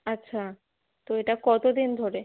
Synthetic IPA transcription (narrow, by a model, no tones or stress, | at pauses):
atːɕʰa | t̪oeʈakɔt̪od̪ind̪ʱoɾe